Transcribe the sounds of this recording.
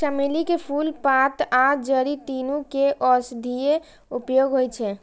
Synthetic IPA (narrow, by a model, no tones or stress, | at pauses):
səmelikepʰulpat̪ʰad͡ʒəɾit̪inukeʔɔsd̪ʱije | upjoɡɦojt͡ʃʰɛ